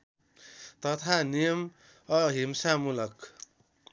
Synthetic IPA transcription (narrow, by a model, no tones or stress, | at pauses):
t̪ʌt̪ʰanijʌm | ʌɦimsamulʌk